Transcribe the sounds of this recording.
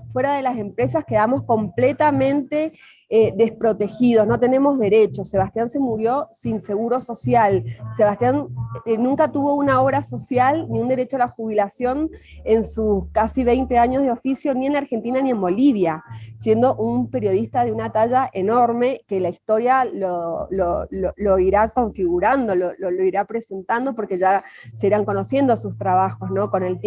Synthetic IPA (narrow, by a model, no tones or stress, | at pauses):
fwe̞ɾaðe̞lase̞mpɾe̞s̬askeðamo̞sko̞mplet̪amẽ̞nt̪e̞ | eðespɾo̞t̪e̞xið̞o̞sno̞t̪e̞nẽ̞mo̞zðe̞ɾe̞t͡ʃo̞se̞β̞ast̪janse̞muɾjo̞sinse̞ɣuɾo̞so̞sjalse̞βast̪jannũŋkat̪uβo̞unao̞βɾaso̞sjalniund̪e̞ɾe̞t͡ʃoalaxuβilasjo̞n | ensuskasiβejnt̪eaɲo̞zðeo̞fisjo̞nie̞naɾxe̞nt̪inanie̞mbo̞liβ̞jasje̞nd̪o̞ʔumpe̞ɾjo̞ð̞ist̪aðeunat̪aʒaʔeno̞ɾme̞kelaist̪o̞ɾjalolololo̞iɾako̞ɱfiɣuɾand̪o̞lololoiɾapɾe̞se̞nt̪and̪o̞po̞ɾke̞ʒase̞iɾaŋko̞no̞sjend̪osust̪ɾaβaxo̞sno̞ko̞ne̞lt̪